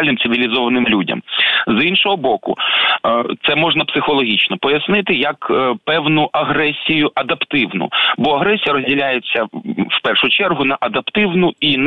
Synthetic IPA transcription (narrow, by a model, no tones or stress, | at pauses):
lʲnɪmsɪʋʲilʲizɔʋɐnɪmlʲudʲɐ̰mzinʃɔɦɔbɔkʊ̰ | t̪sɛmɔʐnɐpsɪxɔlˠɔɦʲit͡ʃnɔpɔjɐsnɪt̪ɪjɐkpɛwnʊʔɐɦɾɛsʲijʊʔɐd̪ɐpt̪ɪwnʊ̰bɔɐɦɾɛsʲijɐɾɔzʲdʲilʲajet͡sʲːɐwpɛrʃʊt͡ʃɛrɦʊnɐʔɐd̪ɐpt̪ɪwnʊin